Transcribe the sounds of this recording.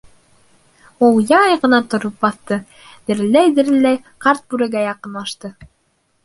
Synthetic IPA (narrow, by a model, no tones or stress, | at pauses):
ulˠjɑɑjʁɤ̆nɑt̪ŏɾop̚bɑθt̪ɤ | d̪̥ɘ̆ɾɘ̆lːæjd̪ɘ̆ɾɘ̆lːæj | qɑɾt̪̚bʉɾɘ̆ɡæjɑqɤ̆nlˠɑʃt̪ɤ